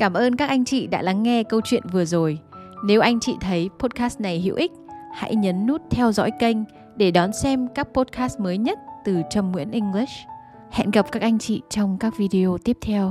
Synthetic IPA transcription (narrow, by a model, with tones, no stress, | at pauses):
kaː˧˩mʔəː˧nkaː˦˥k̚ʔa˧jŋ̟t͡ɕḭ˧˨ɗa̰ː˧˥la˨˦ŋːɛ˧kə˧wt͡ɕwḭ˧˨ənvɨ˨˩əzo˨˩jne˨˦wʔa˧jŋ̟t͡ɕḭ˧˨t̪ʰə˨˦jpo˦˥t̚kaː˦˥st̚na˨˩jhḭ˧əwʔï˦˥k̟̚ha̰˧˥jɲə˨˦nːu˦˥t̚t̪ʰɛ˧wzɔ̰˧˥jkə˧jŋ̟ | ɗe˧˩ɗɔ˨˦nsɛ˧mkaː˦˥k̚po˦˥t̚kaː˦˥st̚məː˨˦jɲə˦˥t̚t̪ɨ˨˩t͡ɕə˨˩mŋwḭ˧˥ənʔï˧ŋ̟li˦˥s | hɛ̰˧˨nɣə˨˩p̚kaː˦˥k̚ʔa˧jŋ̟t͡ɕḭ˧˨t͡ɕɔ˧wŋ͡mkaː˦˥k̚vi˧ɗi˧o˧t̪i˦˥əp̚t̪ʰɛ˧w